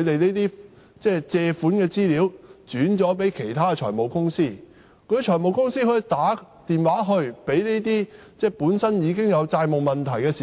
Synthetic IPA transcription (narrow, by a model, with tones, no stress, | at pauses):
t̪e˨jne˥t̪iː˥ | t͡sɛː˥˩t͡sɛː˧fuː˨˥nkɛː˧t͡siː˥liː˨˧˥wt͡ʃyː˨˥nt͡sɔː˨˥p̬e˨˥jkʰe˨˩jt̪ʰaː˥kɛ˧t͡ʃʰɔː˨˩jmo˨˩wkʊ˥ŋsiː˥ | kʰɵ˧ɥt͡ʃʰɔː˨˩jmo˨wkʊ˥ŋsiː˥hɵ˧ɥt̪aː˨˥t̪iː˨˩nwaː˨˥ɦɵ˧ɥpe˨˥jne˥t̪̬iː˥ | t͡sɛː˥˩puː˨˥nsɐ˥njiː˨˧kɪ˥ŋjɐ˨˧wt͡saː˧jmʊ˨k̚mɐ˨nt̪ʰɐ˨˩jkɛː˧siː˨